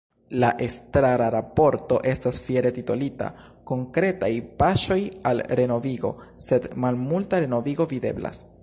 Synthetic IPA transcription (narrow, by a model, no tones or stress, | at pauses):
laʔestɾaɾaɾapo̞ɾto̞ʔe̞stasfjeɾe̞titolita̰ | ko̞ŋkɾe̞tajpaʃo̞jalɾe̞no̞viɡo̞̰se̞dmalmultaɾe̞no̞viɡo̞vide̞̰bla̰s